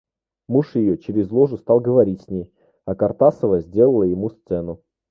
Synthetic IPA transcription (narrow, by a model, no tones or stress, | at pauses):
muʂjɪjot͡ɕɪɾʲɪzlˠoʐʊst̪ɑlˠɡəvɐɾʲitʲsʲnʲej | ɐkɐrt̪asəvəzʲdʲe̞lˠəlˠəjɪmust̪sɛnʊ